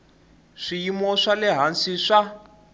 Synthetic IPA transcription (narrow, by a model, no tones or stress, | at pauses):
ʂijimɔʂalɛɦansiʂa